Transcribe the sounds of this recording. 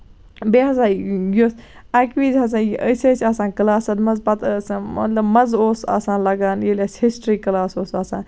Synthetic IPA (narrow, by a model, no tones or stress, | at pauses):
beːɦɐsãːɡoːs | aːkʋiːzɦɐs̬ãːjiʔəseːt͡ʃʰʲaːsãːnkɐlaːsɐd̪mɐzpɐt̪smɐ̰t̪lɐbmɐzoːsa̰ːsãːnlɐɡaːnjileshisʈɾiːkɐlaːsoːsaːsãːn